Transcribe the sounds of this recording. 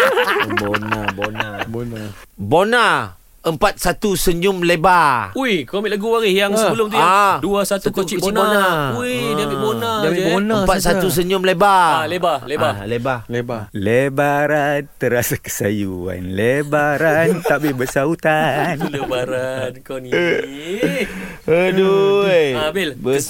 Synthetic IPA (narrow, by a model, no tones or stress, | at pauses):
bonabona | bona | əmpat̪̚sat̪usəɲʊmlebauikomilaɡuwaɾɪhjaŋsəbəlʊmt̪uaduasatsak̪ut͡ʃkəbt͡ʃinbonauiiabibonaonəapat̪̚sat̪us̬əɲʊmlebaalebalebalebalebaləbaɾant̪əɾasakə̥sa̰jua̰nləbaɾant̪aʔbɪhbəsaut̪anlebaɾankani | ədu | abɪlbə